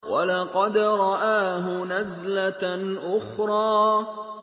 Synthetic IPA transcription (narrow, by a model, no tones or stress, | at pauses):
wa̰lɑqɑd̪ɾˤɑʔaːɦʊnazlaʔʊxɾˤɑː